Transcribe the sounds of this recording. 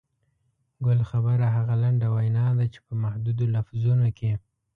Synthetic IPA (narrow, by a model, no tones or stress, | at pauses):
ɡʊlxabəɾaɦaɣalaɳɖawajnɑd̪at͡ʃe̥pəmahd̪ud̪olafzunokʰe